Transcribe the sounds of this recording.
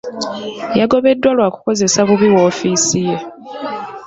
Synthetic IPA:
jaɡo̞βe̞dːwalwaːku̥ko̞ze̞saβuβiwo̞ːfiːsije

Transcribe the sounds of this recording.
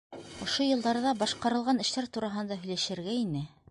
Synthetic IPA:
ŏʃojɤ̆lˠd̪ɑɾðɑbɑʃqɑɾɤ̆lˠʁɑnɘ̆ʃt̪æɾt̪uɾɑɦɤ̆nd̪ɑɦɵ̆jlæʃɘ̆ɾɡæinɘ

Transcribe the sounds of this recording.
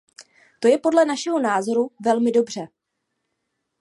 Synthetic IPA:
t̪o̞jɛpo̞dlɛnaʃɛɦo̞naːzo̞ɾuvɛlmɪdo̞br̝ɛ

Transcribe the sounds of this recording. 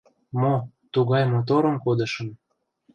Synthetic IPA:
mo | t̪uɣɑjmot̪oɾə̆mkod̪ə̆ʃə̆m

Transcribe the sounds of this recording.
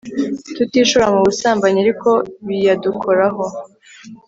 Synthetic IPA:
tutiːʃuɾamuβusaːmbaɲaɾiko̞βijadukʰoɾaɦo̞

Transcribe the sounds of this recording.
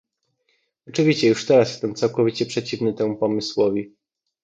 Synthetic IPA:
ɔt͡ʂɘvʲiɕt͡ɕɛjuʂt̪ɛɾasjɛst̪ɛmt̪sawkɔvʲit͡ɕɛpʂɛt͡ɕivnɘt̪ɛmupɔmɘswɔvʲi

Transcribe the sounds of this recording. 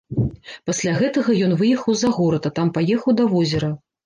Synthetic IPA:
pasʲlʲaɣɛt̪ɐɣɐjɔn̪vɨjɛxɐwzaɣɔɾɐt̪ɐt̪ampajɛxɐwd̪ɐvɔzʲɛɾɐ

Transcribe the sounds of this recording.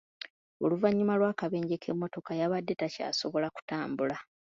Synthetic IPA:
o̞luvaɲːumalwaːkaβe̞ːɲɟe̞kʰe̞mːo̞to̞kajaβadːetaca̰ːso̞βo̞laku̥taːmbula

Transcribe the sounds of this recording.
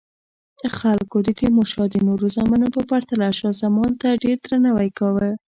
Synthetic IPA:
d̪̥əxalkod̪əd̪emoʃɑd̪ənoɾuzamanopəpaɾt̪alaʃazamɑnt̪aɖeɾd̪ɾanawajkɑwə

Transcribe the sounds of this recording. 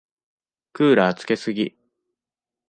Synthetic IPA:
kɯ̟ːɾaːt͡sɨ̥ke̞sɨɡʲi

